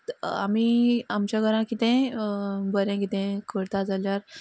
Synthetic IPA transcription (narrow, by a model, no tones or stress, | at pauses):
a̰miːamt͡ɕjaɡʱəɾãkit̪ɛ̃ | bəɾɛ̃kit̪ɛ̃kʰəɽt̪ad͡zaljaɾ